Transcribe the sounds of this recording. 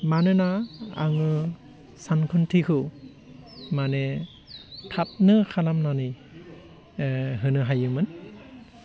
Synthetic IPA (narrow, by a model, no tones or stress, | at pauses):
manɯnaa̰ŋɯ | sankʰɯntʰikʰɯ | manɛ | tʰap̚nɯkʰalamnanɯj | ɦɯnɯɦajɯmɯn